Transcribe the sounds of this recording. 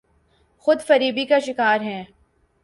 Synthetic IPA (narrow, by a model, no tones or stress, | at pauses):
xʊd̪fɐɾiːbikaʃɪkaːɾɦɛ̃ː